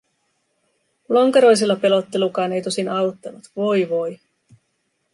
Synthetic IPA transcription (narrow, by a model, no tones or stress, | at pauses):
loŋkeɾo̞js̬ilːɑpe̞lo̞t̪ːelukɑːne̞jt̪o̞sinɑwt̪ːɑnut̪ʋo̞jʋo̞j